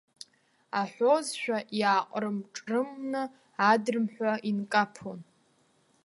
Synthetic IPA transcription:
aħʷozʃᶣaʔjaːqʼrɨmʈ͡ʂʼrɨmnɨ | adɨrmħʷᶣaʔinkʼapʰon

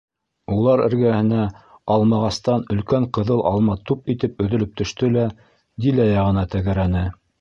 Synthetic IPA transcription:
ulˠɑɾɘ̰̆ɾɡæhɘ̆næɑlˠmɑʁɑst̪ɑnɵ̆lkæɴqɤ̆ðɤlˠʔɑ̰lˠmɑt̪upit̪ɘp̚ɵ̆ðɵ̆lɵp̚t̪ʰɵ̆ʃt̪ɵlæ | d̪ilæjɑʁɤ̆nɑt̪æɣæɾænɘ

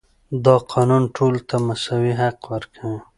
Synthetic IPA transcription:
d̪ɑqʰɑnunʈʰolt̪ʰamasawiɦaqwəɾkʰawi

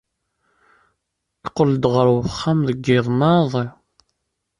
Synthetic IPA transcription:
kqːələd̪ʁəɾwəχːamðəɡːɪðˤnɑðˤi

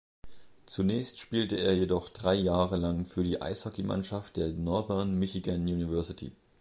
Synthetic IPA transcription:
t͡sunɛːçstʃpiːltəeːɐjedɔχd̥ʁaɪjaːʁəlaŋfyːɐdiːʔa̰ɪshɔkimʔa̰nʃaft̚d̥eːɐnɔɐvɛɐnmɪçiɡanjuːnivɛɐsɪtʰḭ

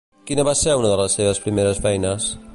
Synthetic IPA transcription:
kinəβasɛunəðələsːeβəspɾimeɾəsfɛjnəs

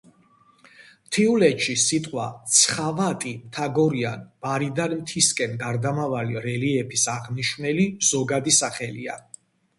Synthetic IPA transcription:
mt̪ʰiulɛt̪ʃisit̪ʼqʼwat̪sʰχavat̪ʼimt̪ʰaɡɔɾianb̥aɾid̪anmt̪ʰiskʼɛnɡaɾd̪amavaliɾɛliɛpʰisaʁniʃmɛliz̥ɔɡad̪isaχɛlḭa̰

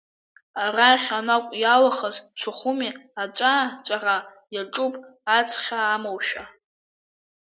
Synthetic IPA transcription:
araχʲanakʷʼjalaχazt͡ʃʷʰaχʊmiat͡ʃʷʼat͡ʃʷʼara | jaʈ͡ʂʼupʼat͡sʰʼχʲaːmowʃᶣa

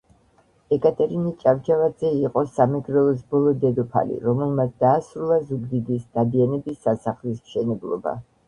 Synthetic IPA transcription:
ɛkʼat̪ʼɛɾinit͡ʃʼavt͡ʃʰʼavad̪zɛiqʼɔsamɛɡɾɛlˠɔs̬bɔlˠɔd̪ɛd̪ɔpʰa̰lḭɾɔmɛlˠmat̪sʰd̪aːsɾulˠazuɡd̪id̪isd̪̥ad̪ianɛbisːasaχlismʃɛnɛblˠɔ̰ba̰

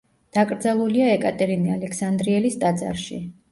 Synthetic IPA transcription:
d̪̥akʼɾd̪zalˠuliaɛkʼat̪ʼɛɾinialɛkʰsand̪ɾiɛlist̪ʼad̪za̰ɾʃḭ

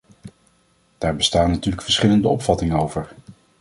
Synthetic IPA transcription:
d̥aːɹbəstaːnːatyːɹləkfəɹsχɪləndəɔpfɑtɪŋənowvəɹ

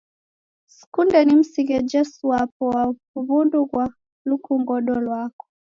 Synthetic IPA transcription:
si̥kundɛnim̩siɡɛd͡ʒɛsuapɔwakuβunduɣwa | lukuŋɡɔɗɔlwakɔ̥

